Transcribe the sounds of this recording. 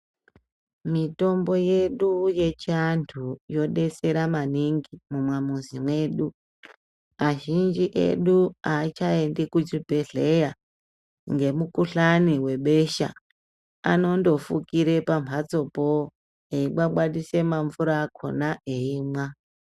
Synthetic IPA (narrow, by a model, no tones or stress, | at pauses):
mito̞mbo̞je̞ɗuje̞t͡ʃantʰujo̞ɗe̞se̞ɾamaniŋɡimumwamuzimwe̞ɗu | aʒind͡ʒiʔe̞̰ɗuat͡ʃaendikut͡ʃibʱe̞ɮe̞ja | ŋɡe̞mukuɬaniwe̞ɓe̞ʃa̰ | a̰no̞ndo̞fukiɾe̞pampʰat͡so̞po | eiɓwaɓwaɗise̞maɱvuɾaːkʰo̞̰naʔeiːmwa